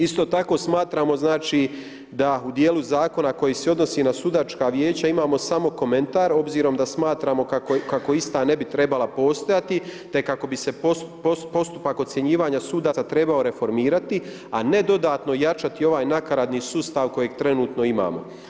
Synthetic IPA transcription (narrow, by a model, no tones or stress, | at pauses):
ist̪o̞ːt̪ako̞smaːt̪ɾaːmo̞znaːt͡ʃiː | d̪aud̪jeːluzaːko̞nako̞jiːseo̞d̪no̞siːnasud̪at͡ʃkaːʋjeːt͡ɕaimaːmo̞samo̞ko̞me̞nt̪aːɾo̞bziːɾo̞md̪asmaːt̪ɾaːmo̞akokako̞ist̪aːne̞bit̪ɾe̞balˠapo̞ːst̪o̞jat̪it̪e̞kːako̞bise̞postpo̞st̪upako̞t̪sje̞ɲiːʋaːɲasuːd̪aat̪ɾe̞bao̞ɾe̞fo̞ɾmiːɾat̪i | ane̞d̪o̞d̪aːt̪no̞jat͡ʃat̪io̞ʋaːjnakaɾad̪niːsuːst̪aʋko̞jeɡ̚t̪ɾe̞nuːt̪no̞ima̰ːmo̞̰